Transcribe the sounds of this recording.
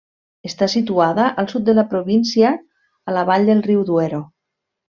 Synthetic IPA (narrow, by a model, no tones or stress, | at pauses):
est̪asit̪uaðəʔəlˠsut̪̚d̪əlapɾoβinsiaː | laβ̞aʎd̪elˠriwðweɾo